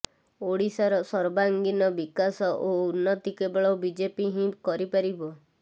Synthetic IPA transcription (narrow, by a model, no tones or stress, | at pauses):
oɽisaɾɔsɔɾbaŋɡinɔbikasɔʔounːɔt̪ikebɔɭɔbid͡ʒepiɦĩkɔɾipaɾibɔ